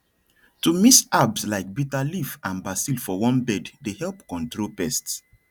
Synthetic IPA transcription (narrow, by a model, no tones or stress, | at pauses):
tumisabslaɪk̚bitalifãnbasilfɔwɔ̃nbɛddehɛlpkɔ̃ntɹopɛsts